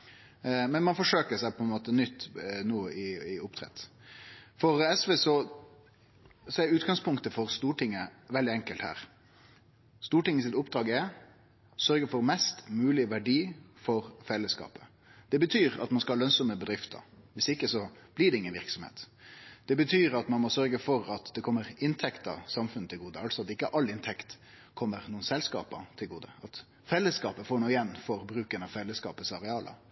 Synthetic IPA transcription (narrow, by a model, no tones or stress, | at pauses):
mɛnmɑnfɔʂøːkəsæɪpʰɔɛnmoːt̪ənʏt̪ːnuːəʔɪɪʊpt̪ʰɾɛ̰t̪ː | fɔɾɛsʋeːsɔ | sɔæɾʉːt̪ɡɑŋspʰʊŋkt̪əfɔɾst̪uːʈʰɪŋːəʋɛld̪ɪɛŋkəlt̪hæ̰ːɾ | st̪uːʈɪŋːəs̬ɪt̪ʊpd̪ɾɑːɡɛ | sœɾɡəfɔɾmɛst̪mʉːlɪʋæɖiː | fɔɾfɛlːəskɑ̰ːpə | d̪̥ɛbət̪ʰyːɾɑ̰t̪mɑnskɑɑlœnsɔməbəd̪ɾɪft̪ʰə̰ʋɪsɪkːəsɔb̥lɪɖɛɪŋːənʋɪɾksɔmhḛːt̪d̪̥ɛbət̪ʰyːɾɑt̪mɑnmɔsœɾɡəfɔɾɑt̪d̪ɛkʰɔmːəɾɪnt̪ʰɛkt̪ɑ̰sɑmfʉnət̪ʰɪlɡuːd̪əɑlsɔɑt̪ɪkːəʔɑlːɪnt̪ʰɛkt̪ | kʰɔmːəɾnuːnsɛlskɑ̰ːpə̰t̪ʰɪlɡuːd̪ə̰ɑt̪ | fɛlːəskɑːpəfoːɳuːɪɛnːfɔɾbɾʉːkənɑʋfɛlːəskɑ̰ːpəsɑɾɛɑːlə̰